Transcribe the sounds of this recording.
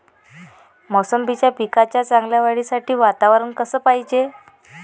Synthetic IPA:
mɔsəmbʱit͡ɕjapikat͡ɕjat͡saŋɡljaʋaɽiːsaʈʰiːʋat̪aʋəɾənkəsəːpaɦid͡ʑe

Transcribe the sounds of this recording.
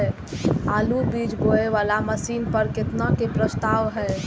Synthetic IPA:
aːlubiːd͡ʒɡoːeʋaːlaməsiːnpəɾkɪt̪nakepɾəst̪aːʋɦɛ

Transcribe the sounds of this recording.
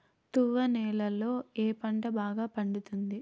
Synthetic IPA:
t̪uʋɐnɛːlɐlo̞ːeːpɐɳʈɐbaːɡaːpɐɳɖut̪und̪i

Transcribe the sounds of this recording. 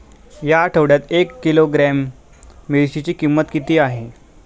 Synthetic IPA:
jaʈʰəʋɽjat̪ekːiloɡɾæmː | iɭɕit͡ɕiːkimːət̪kit̪iːaɦe

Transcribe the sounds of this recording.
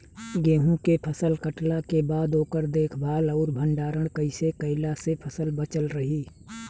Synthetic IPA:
ɡeːɦũkepʰəsəlkəʈlakebaːd̪oːkəɾd̪eːkʰbʱaːlɔːɾbʱə̃ɳɖaːɾəɽ̃kəɪsekəɪlasepʰəsəlbət͡ʃəlɾəɦiː

